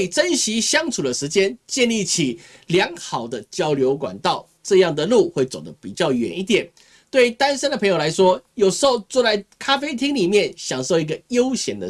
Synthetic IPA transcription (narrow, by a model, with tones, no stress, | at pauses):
ʈ͡ʂə˦nɕi˧˥ɕjɑ˥ŋt͡sʰu˨˩d̪ə˦ʂɻ̩˧˥t͡ɕjɛ˦nt͡ɕjɛ˥˧nli˥˩t͡ɕʰi˨˩ | ljɑ˧˥ŋxɑ˨˩ʊd̪ə˦t͡ɕjɑ˥ʊljo˧˥ʊkwa̰˨˩nt̪ɑ˥˨ʊ | ʈ͡ʂɤ˥˧jɑ˥˩ŋd̪ə˩lu˥˧xwe˥˩ɪt͡so˨˩ʊd̪ə˦pi˨˩t͡ɕjɑ˥˩ʊɥɛ̰˨˩˦ni˥˩t̪jɛ˨˩n | t̪we˥˩ɪ˧t̪a˥˦nʂə˥nd̪ə˨pʰɤ˧ŋjo˨˩la˧˥ɪʂwɔ˥jo˨˩ʊʂxo˥˧ʊt͡swɔ˥˧t͡sa˥˩ɪkʰa˥fe˥ɪt̪ʰi˥ŋli˨˩mjɛ˥˨nɕjɑ˨˩ŋʂo˥˩ʊi˧˥ɡə˨jo˥ʊɕjɛ˨˩nd̪ə̰˧